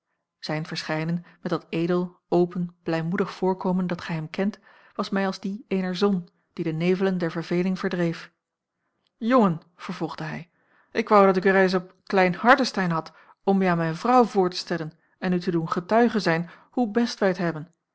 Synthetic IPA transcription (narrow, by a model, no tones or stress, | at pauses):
z̥ɛjnvəɹsχɛjnənmɛtdɑtejdəlˠ | owpənb̥lɛjmudəχfʊːɹkowməndɑtχɛjɦɛmkɛnt | ʋɑsmɛjɑlˠzdiejnəɹzɔn | d̥idənejvələndɛɹvəɹvejlɪŋv̥əɹdrejf | jɔŋən | v̥əɹvɔlˠχd̥əɦɛj | ʔɪkʋɑwdɑtɪkəɹejs̬ɔpklɛjnhɑɹdəstɛjnɦɑt | ɔmjəaːnmɛjnvrɑwvʊːɹtə̥stɛlən | ɛnytədunχətœɥχəzɛjn | hubɛstʋɛjətɦɛbən